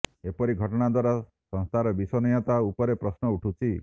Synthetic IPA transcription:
epɔɾiɡʱɔʈɔɽ̃ad̪waɾa | sɔ̃ŋst̪ʰaɾɔbisɔnɔjat̪aupɔɾepɾɔsnɔuʈʰut͡ʃʰi

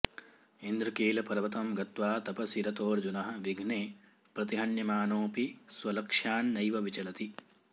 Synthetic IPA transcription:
ind̪ɾɐkeːlɐpɐɾɐʋɐt̪ɐmɡɐt̪ʋaːt̪ɐpɐsiɾɐt̪oːɾd͡ʒunɐɦɐ̆ʋiɡʱneː | pɾɐt̪iɦɐɳjɐmaːnoːpiswɐlɐkʂaːnːɐjʋɐʋit͡ʃɐlɐt̪i

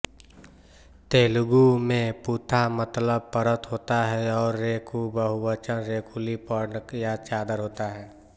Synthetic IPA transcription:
t̪eːlʊɡumẽpuːt̪ʰamət̪ləb̚pəɾət̪ɦoːt̪aɦɛɔːɾːeːkʰubəɦuwət͡ʃənɾeːkʰulipəɾnəkjat͡ʃaːd̪əɾɦoːt̪aɦɛː

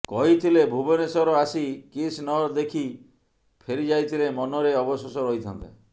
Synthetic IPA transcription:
kɔɦit̪ʰilebʱubɔnesɔɾɔasikisnɔɾd̪ekʰi | pʰeɾid͡ʒajt̪ʰilemɔnɔɾeɔbɔsɔsɔɾɔɦit̪ʰɔnt̪e

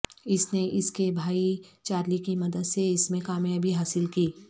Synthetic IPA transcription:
ɪsneʔɪskebʱaːit͡ʃaːɾlikimɐd̪əd̪seɪsmẽkaːmjɐbʱiɦaːsɪlkiː

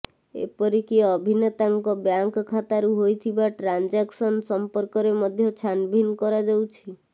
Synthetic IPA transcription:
ḛpɔɾikiɔbʱinet̪aŋkɔbjaŋkkʰːat̪aɾuɦojt̪ʰibaʈɾand͡ʒaksɔnsɔmpɔɾkɔɾemɔd̪ʱjɔt͡ʃʰanbʱinkɔɾad͡ʒawt͡ʃʰi

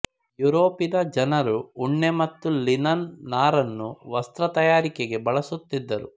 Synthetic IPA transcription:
juɾoːpid̪ɐd͡ʒɐnɐɾuːɳːemɐt̪ːulinɐnːaːɾɐnːuʋɐst̪ɾɐt̪ɐjaːɾikeɡe̞bɐɭɐsut̪ːid̪ːɐɾṵ

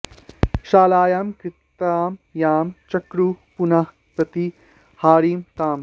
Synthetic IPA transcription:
ʃaːlaːjaːmkɾɪt̪aːmjaːmt͡ʃɐkɾupunah | pɐt̪i | haːɾiːmt̪aːm

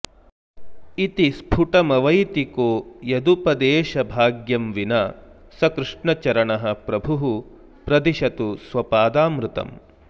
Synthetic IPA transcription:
it̪ispʰuʈɐmɐʋɐjt̪ikoːjɐd̪upɐd̪eːʃɐbʱaːɡjɐmʋinaː | sɐkɾuʂɳɐt͡ʃɐɾɐɳɐɦɐpɾɐbʱuɦu | pɾɐd̪iʃɐt̪usʋɐpaːd̪aːmɾut̪ɐ̰m

